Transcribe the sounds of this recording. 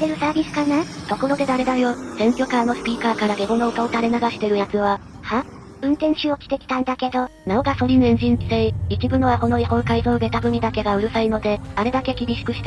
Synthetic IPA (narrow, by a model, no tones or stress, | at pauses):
t̪e̞ɾɯ̟saːbʲisɨ̥kanat̪o̞ko̞ɾo̞d̪e̞d̪aɾe̞d̪ajo̞sẽ̞ŋkʲo̞kaːno̞sɨ̥pʲiːkaːkaɾaɡe̞ɡo̞no̞o̟kaot̪aɾe̞naɡaɕi̥t̪e̞ɾɯ̟jat͡sɨβa | ha | ɯ̟̃nt̪ẽ̞ɰ̃ɕio̞kʲi̥t̪e̞kʲi̥t̪ãnd̪ake̞d̪o̞naoɡaso̞ɾʲinẽɲ̟ʑĩn̟d͡ʑi̥seiit͡ɕibɯ̟noβaho̞no̞ihõ̞ŋkaizoɯɡe̞t̪abɯ̟mʲid̪ake̞ɡaɯ̟ɾɯ̟saino̞d̪e̞aɾe̞d̪ake̞kʲibʲiɕi̥kɯ̟ɕi̥t̪